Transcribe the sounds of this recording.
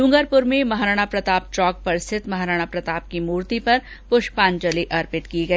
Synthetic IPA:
lʊ̃ŋɡəɾpʊɾmẽmɐɦɾaːɽ̃apɾɐt̪aːp̚t͡ʃɔːk̚pɐɾsɪt̪mɐɦɾaːɽ̃apɾɐt̪aːp̚kimuːɾt̪ipɐɾ | pʊʃpaːnt͡ʃəliʔɐɾpɪt̪kiɡɐiː

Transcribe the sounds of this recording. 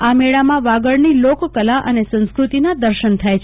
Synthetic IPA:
ameɭamãʋaɡəɭnilokkːəlaʔənesə̃ñskɾut̪inad̪əɾʃənt̪ʰajt͡ʃʰ

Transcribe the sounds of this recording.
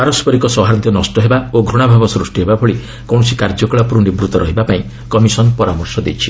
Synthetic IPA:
paɾɔspʰɔɾikɔsɔɦaɾɔnt̪jɔnɔsʈɔɦebaoɡʱɾuɽ̃abʱabɔsɾusʈiɦebabɔɭi | kɔw̃ɔsikaɾd͡ʒɔkɔɭapɾuɳɖibɾut̪ɔɾʔɔɦibapaĩ | kɔmisɔnpɔɾamɔɾsɔd̪ḛjt͡ʃʰi̥

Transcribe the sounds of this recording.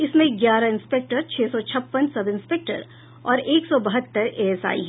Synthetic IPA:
ɪsmẽɡjaːɾãɪ̃nspek̚ʈəɾt͡ʃʰɛːsɔt͡ʃʰɐpːənsɐbɪ̃nspeːk̚ʈə̰ɾ | ɔːɾeːksɔbɐɦət̪ːəɾʔeːsa̰ːḭɦɛ

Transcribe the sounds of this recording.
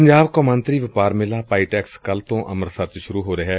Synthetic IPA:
əɲd͡ʒaːbkoːmə̃nt̪ɾiːʋɪpaːɾmɪlaːpaːiːʈɛːkskəlt̪õːʔəməɾsət̪ʃʊɾuːɦoːɾeɦɛː

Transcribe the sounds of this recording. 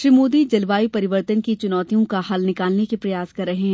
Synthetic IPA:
ʃɾiːmoːd̪id͡ʒɐlʋaːipɐɾɪʋəɾt̪ənkit͡ʃʊnɔːt̪ijõkahɐlnɪkaːlnekepɾɐjaːskɐɾːɐɦeɦɛ̃

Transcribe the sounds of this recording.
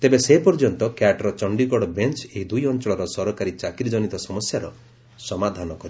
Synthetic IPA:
t̪ebeseɦpɔɾd͡ʒɔnt̪ɔkjaʈɾɔt͡ʃɔɳɖiɡɔɽɔbent͡ʃeɦid̪ujɔnt͡ʃɔɭɔɾɔsɔɾɔkaɾit͡ʃakiɾd͡ʒɔnit̪ɔsɔmɔsjaɾɔ | sɔmad̪ʱanɔkɔɾi

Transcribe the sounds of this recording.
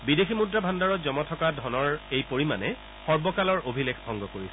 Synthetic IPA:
bideximudɹabʱandaɹɔtzɔmɔtʰɔkadʱɔnɔɹejpoɹima̰nɛ | xɔɹbɔkalɔɹʔobʱilekʰbʱɔŋɡɔkoɹisɛ

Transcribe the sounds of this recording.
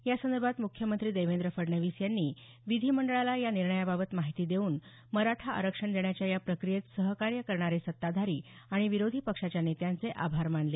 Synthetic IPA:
jasənd̪əɾbʱat̪mukʰjəmənt̪ɾiːd̪ejʋend̪ɾəfəɾɳəʋisjanːiː | ʋid̪ʱiːməɳɖəɭalajaniɾɳəjababət̪maɦit̪iːd̪euːn | məɾaʈʰaə̰ɾəkʂəɳd̪eɳjat͡ɕjajapɾəkɾijet̪səɦkaɾjəkəɾɳaɾesət̪ːad̪ʱaɾiːaɽ̃iʋiɾod̪ʱipəkʂat͡ɕjanet̪jãnt͡seʔabʱaɾmaɳle

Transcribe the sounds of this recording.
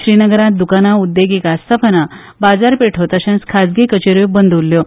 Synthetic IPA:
ɕɾinəɡəɾat̪̚d̪ukanaud̪ːeɡekast̪ʰapəna | bad͡zaɾpeʈʰot̪əɕãnskʰad͡zɡikət͡ɕeɾjobənd̪ʱuljo

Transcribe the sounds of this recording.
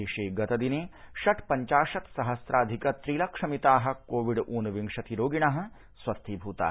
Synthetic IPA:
eːʃeːɡɐt̪ɐd̪ineː | ʃɐʈʰpɐɲt͡ʃaːʃɐt̪sɐɦɐsɾʔaːd̪ʱikɐt̪ɾiːlɐkʂɐmit̪aːɦɐ̆koːʋiɖʔuːnʋiŋʂɐt̪iɾoːɡiɳ̃aɦɐ̆ | swɐst̪ʰiːbʱuːt̪a̰ː

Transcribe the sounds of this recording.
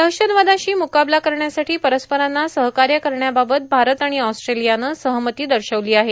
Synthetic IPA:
d̪əkɕənʋad̪ãɕiːmukablakəɾɳjasaʈʰiːpəɾəspəɾanːasəɦkaɾjəkəɾɳjababət̪̚bʱaɾət̪aɽ̃iɔsʈɾelijanəːsəɦmət̪iːd̪əɾɕəʋliːaɦe

